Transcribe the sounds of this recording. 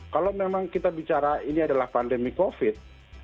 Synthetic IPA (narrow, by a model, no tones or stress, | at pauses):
kalowmemaŋkit̪abit͡ʃaɾainiadalahpandemikofit̪̚